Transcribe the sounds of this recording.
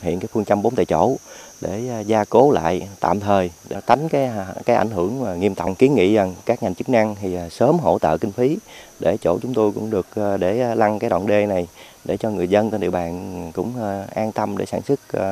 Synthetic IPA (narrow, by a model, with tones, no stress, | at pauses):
ɦḭ˧˨ənkaː˨˦jfɨ˧ŋt͡ɕa˧mɓo˨˦nt̪ḛ˧˨jt͡ɕo̰˧˩˥ɗe˧˩˨zaː˧ko˨˦la̰ː˧˨jt̪a̰ː˧˨mt̪ʰəː˨˩jɗa˧˩t̪a˨˦jŋ̟kaː˨˦jkaː˨˦jʔa˧˩jŋ̟ɦɨ˧˩əŋaː˨˩ŋi˧əmt̪a̰˧˨wŋ͡mki˨˦ənŋḭ˧˨a˨˩ŋkaː˦˥k̚ɲa˨˩ŋt͡ɕɨ˦˥k̚na˧ŋt̪ʰi˨˩˨səː˨˦mɦo̰˧˥t̪ə̰ː˧˨kï˧ŋ̟fi˨˦ɗe˧˩t͡ɕo̰˧˩t͡ɕʊ˨˦ŋ͡mt̪o˧jkʊ̰˧˥ŋ͡mɗɨ˨˩ək̚ːɗe˧˩la˧ŋkaː˨˦jɗa̰ː˧˨nɗe˧na˨˩j | ɗe˧˩t͡ɕɔ˧ŋɨ˨˩əjzə˧nt̪a˧nɗḭ˧˨əwɓaː˨˩nkʊ̰˧˥ŋ͡mʔaː˧nt̪ə˧mɗe˧˩saː˧˩nsɨ˦˥k̚ː